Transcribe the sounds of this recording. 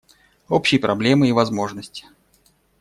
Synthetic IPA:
o̞pɕɪjpɾʔɐblʲe̞mɨivɐzmo̞ʐnəsʲtʲɪ̥

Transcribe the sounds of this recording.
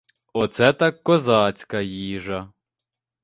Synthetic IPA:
ɔt̪sɛt̪ɑkːɔzɑt͡sʲkɐjiʒɐ

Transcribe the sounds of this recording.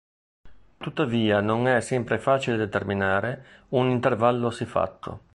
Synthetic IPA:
t̪ut̪ːaviːanonɛsɛmpɾefaːt͡ʃiled̪et̪erminaːɾeunint̪ervalːosifa̰t̪ːo̰

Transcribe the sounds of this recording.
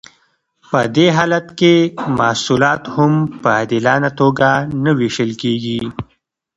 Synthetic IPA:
pəd̪eɦɑːlat̪kemɑhsulɑt̪hʊmpəd̪ɪlɑnat̪oɡanaweʃəlkeɡi

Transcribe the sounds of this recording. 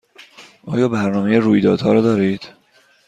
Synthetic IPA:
ʔɒːjɒːbæɾnɒːmejeruːjd̪ɒːd̪̥hɒːɾɒːd̪ɒːɾiːd̪̥

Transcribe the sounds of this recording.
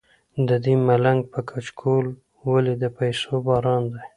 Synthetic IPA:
d̪əd̪imalaŋɡ̚pəkʰat͡ʃkʰol | waled̪əpajsobɑɾɑnd̪a

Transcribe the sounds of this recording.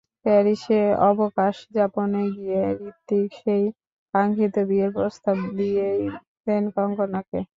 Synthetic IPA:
pɛɾiʃeɔbokaʃd͡ʑaponeɡijeɾit̪ːikʃej | kaŋɡʱit̪obieɾpɾost̪abd̪ije | senkɔŋkonakḛ

